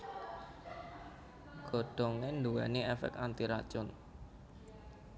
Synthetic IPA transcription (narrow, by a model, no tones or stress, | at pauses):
ɡ̥ɔ̤ɖ̥ɔ̤ŋend̪uwɛniɛfɛ̰k̪̚ant̪iɾat͡ʃʊn